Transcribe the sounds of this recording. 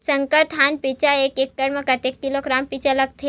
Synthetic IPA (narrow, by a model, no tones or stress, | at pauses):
sɐ̃ŋkəɾt̪ɦaːnpit͡ʃaeːkekːəɾmẽkɐʈ̪eːk̚kiloɡɾaːmpit͡ʃalɐɡ̚t̪ʰe